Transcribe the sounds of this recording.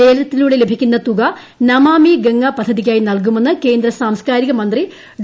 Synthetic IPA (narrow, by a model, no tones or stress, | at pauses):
e̞ːlɐt̪ːiluːɽe̞le̞bʱikʲːunːɐt̪uɣɐ | nɐmaːmiɡɐŋːɐpɐd̪ʱːɐðikʲːaːjinɐlk̬umenːɨke̞ːnd̪ɾɐsaːmskaːɾiɣɐmɐnd̪ri | ɖ